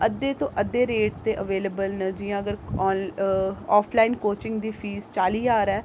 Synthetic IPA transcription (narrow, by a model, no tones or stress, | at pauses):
əd̪ːeːt̪õːʔəd̪ːeːɾeːʈt̪eːʔəʋeːleːbəlnəd͡ʒiːjãːəɡəɾː | ɔːpʰlaːiːnkoːt͡ʃɪ̃ŋɡd̪iːpʰiːzt͡ʃaːliːaːɾɛː